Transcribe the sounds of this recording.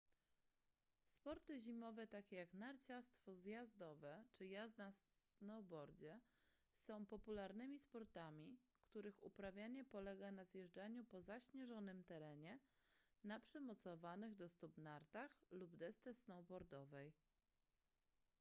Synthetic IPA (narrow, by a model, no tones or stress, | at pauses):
spɔɾt̪ɘʑimɔvɛt̪akʲɛjaknaɾt͡ɕast̪fɔzjazd̪ɔvɛt͡ʂɘjazd̪nasnɔwbɔɾd͡ʑɛ | sɔ̃w̃pɔpulaɾnɘmʲispɔɾt̪amʲi | kt̪uɾɘxṵpɾavʲjaɲɛpɔlɛɡanazjɛʐd͡ʐaɲupɔzaɕɲɛʐɔnɘmt̪ɛɾɛɲɛ | napʂɛmɔt̪sɔvanɘɣd̪ɔst̪ubnaɾt̪axlubd̪ɛst̪ɛsnɔwbɔɾd̪ɔvɛj